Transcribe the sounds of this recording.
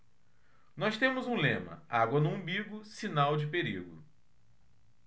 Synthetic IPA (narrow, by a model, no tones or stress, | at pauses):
nɔst̪ẽmʊzũlẽmɐ̰aɡwɐnũbiɡʊsinawd͡ʒɪpeɾiɡʊ̰